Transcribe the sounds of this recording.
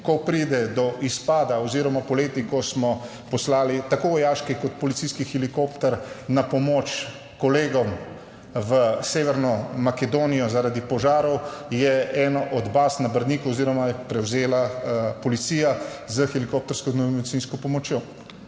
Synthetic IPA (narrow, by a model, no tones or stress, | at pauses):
kɔpɾiːd̪ɛd̪ɔʔispaːd̪aɔziɾɔmapɔleːt̪ikɔsmɔ | pɔslaːlit̪akoːʋɔjaːʃkikɔt̪̚pɔlitsiskixɛlikoːpt̪ɛɾnapɔmot͡ʃ | kɔleːɡɔm | ʋəseːʋɛɾnɔmakɛd̪oːnijɔzaɾad̪ipɔʒaːɾɔwjɛɛːnɔʔɔd̪basnabəɾd̪niːkuɔziːɾɔmajɛpɾɛwzeːlapɔlit̪siːja | zəxɛlikop̚t̪ɔɾskɔznomed̪itsiːnskɔpɔmɔt͡ʃjo